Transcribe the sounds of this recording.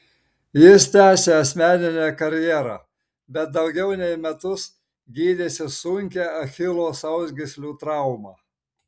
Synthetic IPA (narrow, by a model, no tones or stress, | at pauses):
jɪst̪ʲæːsʲeːɐsʲmʲæːnʲɪnʲækɐɾʲjɛːɾɑ̰ː | bʲɛt̪̚d̪ɒʊɡʲɛʊnʲɛɪmʲɛt̪ʊs | ɡʲiːd̪ʲeːsʲɪsʊŋʲkʲɛɐxʲɪlˠoːsɐʊzʲɡʲɪsʲlʲuːt̪ɾɑˑʊmɑː